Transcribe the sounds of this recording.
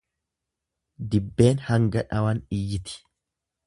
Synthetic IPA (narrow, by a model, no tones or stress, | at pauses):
d̪ɪbːe̞ːnhɐŋɡɐᶑɐwɐnɪjːɪt̪ɪ̥